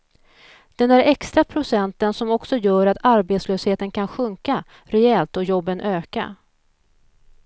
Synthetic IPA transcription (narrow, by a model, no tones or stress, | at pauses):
d̪̥ɛnæɾɛkst̪ɾapʰɾʊsɛnt̪ənsɔmɔksɔjœːɾat̪aɾbeːt̪sløːsheːt̪ənkʰanɧɵŋka | ɾɛɛlt̪ɔjɔbːənʔøːka̰